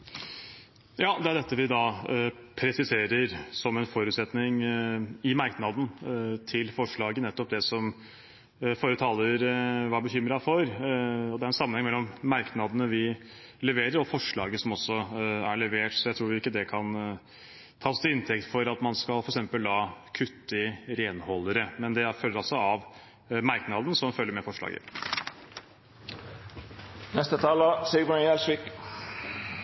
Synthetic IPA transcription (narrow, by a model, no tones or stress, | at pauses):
jɑːd̪ɛæɖɛt̪ːəʋɪd̪ɑpʰɾɛsɪseːɾəɾsɔmɛnfɔɾʉːt̪sɛt̪nɪŋ | ɪmɑɾknɑd̪n̩t̪ʰɪlfɔʂɭɑːɡənɛt̪ːɔp̚d̪ɛsɔm | foːɾət̪ʰɑːləɾʋɑbəçʏmɾɑfɔɾɔd̪ɛæɾɛnsɑmənhɛŋmɛlːɔmːɑɾknɑd̪ənəʋɪ | lɛʋeːɾəɾɔfɔʂɭɑ̰ːɡəsɔmɔsːɔæɭɛʋeːʈsɔjæɪt̪ʰɾuːɾɪɪkːəd̪ɛkʰɑn | t̪ʰɑːɔst̪ɪɪnt̪ʰɛkt̪fɔɾɑt̪mɑnskɑlfɔɾɛksɛmpəld̪ɑːkʰʉt̪ːəɾeːnhɔlːəɾəmɛnd̪ɛfœlːəɾɑlsɔɑʋ | mɑɾknɑd̪ən̩sɔmfœlːəɾmɛfɔʂɭɑ̰ːɡə̰ | nɛst̪ət̪ʰɑːləsibəɛlsʋɪk